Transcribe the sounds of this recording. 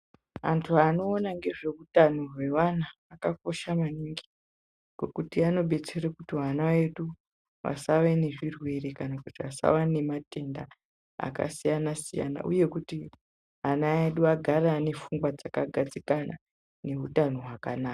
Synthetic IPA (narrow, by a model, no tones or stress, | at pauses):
a̰ntʰuano̞ːnaŋɡe̞ʐe̞utanorwe̞ʋanaːkak̚o̞ʃamaniŋɡi | ŋɡ̥o̞kutiano̞ɓe̞t͡se̞rekutiɦanawe̞ɗu | ʋa̰saʋe̞ne̞ʐirwe̞rekanakutiʋasa̰wane̞mate̞nda | a̰ka̰sijanasija̰na̰ʔṵje̞kuti | ɦanaeɗuaɡʱarane̞fuŋɡwad͡zakaɡʱat͡sikana̰ | ne̞utanoɦwakanaːka